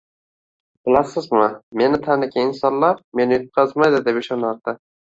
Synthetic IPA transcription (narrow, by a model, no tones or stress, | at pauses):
b̥ɪlasɪzmɪme̞nɪt̪ʰanɪkʲʰaɪnsɒnlaɾme̞nɪjot̪̚qʰɑzmajd̪ɪd̪epɪʃɒnaɾd̪ɪ